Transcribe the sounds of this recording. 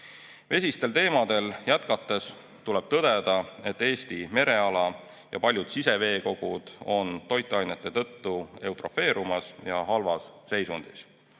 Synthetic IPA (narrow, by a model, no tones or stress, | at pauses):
ve̞sist̪e̞lt̪e̞ːmɑd̪̥e̞ljæt̪kɑt̪ːˑe̞s | t̪uleb̥̚t̪ɤd̪e̞d̪̥ɑe̞t̪ːe̞ːst̪ime̞ɾe̞ɑlɑ | jɑ̰pɑlʲjud̪̥sise̞ve̞ːko̞ɡ̥ud̪̥o̞nt̪o̞jt̪ːˑɑjnet̪ˑːe̞t̪ɤt̪ːue̞wt̪ro̞fe̞ːɾumɑsjɑɦɑlvɑsse̞jsund̪̥is